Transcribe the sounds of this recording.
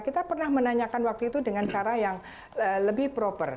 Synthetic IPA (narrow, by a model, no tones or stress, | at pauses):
kit̪apərnahmənaɲakanwak̚t̪uit̪udəŋant͡ʃaɾajaŋ | ələbɪhpɾopər